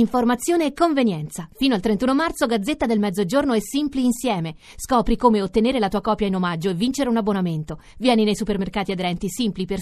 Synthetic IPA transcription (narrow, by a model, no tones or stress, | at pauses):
iɱformat̪sːjoːneɛkːoɱvenjɛnt̪safiːnoalt̪ɾent̪uːnomart̪soɡad̪zːet̪ːad̪elmɛd̪zːod͡ʒornoɛsːimpliːnsjɛːme | skɔːpɾikoːmeot̪ːeneːɾelat̪uːakɔːpjainomad͡ʒːoevːint͡ʃeɾeunabːonament̪o | vjɛːninejsupermerkaːt̪iad̪eɾɛnt̪isimpliper